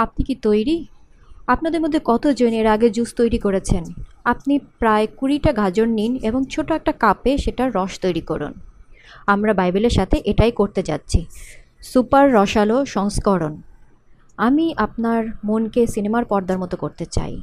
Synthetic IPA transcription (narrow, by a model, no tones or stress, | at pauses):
ap̚nikit̪ojɾi | ap̚nad̪eɾmod̪ʱːekɔt̪od͡ʑoneɾaɡed͡ʑust̪ojɾikoɾet͡ɕʰenap̚nipɾaekuɾiʈaɡʱad͡ʑonːineboŋt͡ɕʰoʈoɛk̚ʈakapeʃeʈaɾɔʃt̪ojɾikɔɾṵn | amɾabajbeleɾʃat̪ʰeʔeʈajkoɾt̪et͡ɕa̰tːɕʰisupaɾːɔʃaloʃɔŋskɔɾon | amiʔap̚naɾmonkesinemaɾpɔɾd̪ʱaɾmot̪okoɾt̪et͡ɕa̰j